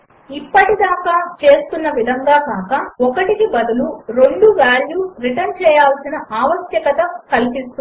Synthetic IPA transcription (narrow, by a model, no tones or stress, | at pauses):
ipːɐʈid̪aːkaːt͡ʃe̞ːst̪unːɐʋid̪ʱɐŋɡaːkaːkaːɔkɐʈikibɐd̪uluɾoɳɖuʋaːljuːɾiʈɐnt͡ʃɛːjaːlsinɐʔaːʋɐsjɐkɐt̪ɐkɐlpist̪u